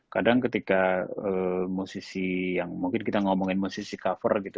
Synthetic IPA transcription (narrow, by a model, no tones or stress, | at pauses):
kadaŋkət̪ikaəmusisijaŋmuŋkɪnkit̪aŋɔmɔŋɪnmusisikafə̰rɡit̪u